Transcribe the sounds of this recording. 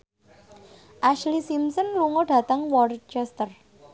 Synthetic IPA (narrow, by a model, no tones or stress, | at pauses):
ʔaʃlisimsɔnluŋɔɖ̥ä̤t̪aŋwɔrt͡ʃɛst̪ər